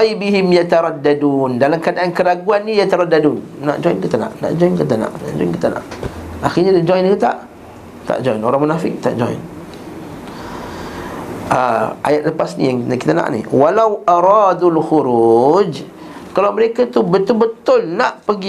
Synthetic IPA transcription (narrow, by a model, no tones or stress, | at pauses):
jbiɦɪmjat̪aɾˤadːadundalamkəadaʔankəɾaɡuanːijat̪aɾadadunːa̰ʔd͡ʒoinkit̪ana̰ʔna̰ʔd͡ʒɔinkət̪ana̰ʔna̰ʔd͡ʒɔ̰inkit̪ana̰ʔaxirɲadad͡ʒɔjnkət̪a̰ʔ | t̪a̰ʔd͡ʒɔjnoɾaŋmənafɪk̚t̪a̰ʔd͡ʒɔ̰jn | ʔəʔa̰jat̪̚ləpasnḭjaŋkit̪ana̰ʔnḭwalawʔaɾɑːd̪ulxuɾud͡ʒ | kalawməɾekat̪ubət̪ʊlbət̪ʊlnaʔpəɡi